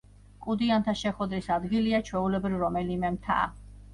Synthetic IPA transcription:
kʼud̪iant̪ʰaʃɛχwɛd̪ɾisad̪ɡiliat͡ʃʰwɛulɛbɾivɾɔmɛlimɛmt̪ʰa̰ː

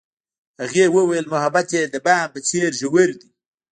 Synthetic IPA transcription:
haɣewəwajəlmʊhabat̪jed̪əbampət͡seɾʒəwəɾd̪i

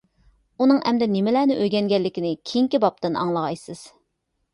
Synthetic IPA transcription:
unɨŋʔɛ̰md̪ɛnɪmɪlæːnɪʔøjɡʲɛnɡʲɛlːɪkʲinɪkʲʰijiŋkʲibɑp̚t̪ɨnʔɑ̰ŋlˠɑʁɑjsɨz̥

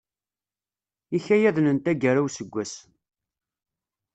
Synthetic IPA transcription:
içæjæðnənt̪æɡæɾæwsəɡʷːæs

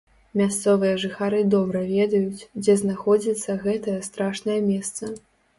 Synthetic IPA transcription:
mʲast̪sɔvɨjɐʐɨxaɾɨd̪ɔbɾɐvʲɛd̪ɐjut͡sʲd͡zʲɛznaxɔd͡zʲit̪sːɐɣɛt̪ɐjɐst̪ɾaʂnɐjɐmʲɛst̪sɐ

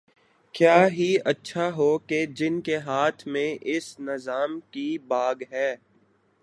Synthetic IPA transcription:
kjaːɦiɐtːʃʰaɦoked͡ʒɪnkeɦaːt̪ʰmẽʔɪsnɪzaːmkibaːɡɦɛː

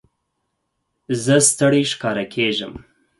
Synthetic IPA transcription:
zəst̪əɽiʃkɑɾakʰeʒə̰m

